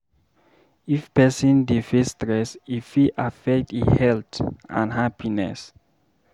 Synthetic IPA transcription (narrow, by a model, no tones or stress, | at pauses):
ifpɛsɔ̃ndifɛstɹɛsifiʔafɛk̚tihɛltã̰nhapʰinɛ̰s